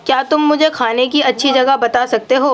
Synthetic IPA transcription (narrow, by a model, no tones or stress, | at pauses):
kjaːt̪ʊmːʊd͡ʒʱekʰaːnekiɐtːʃʰid͡ʒɐɡəɦbɐt̪asɐk̚t̪eɦoː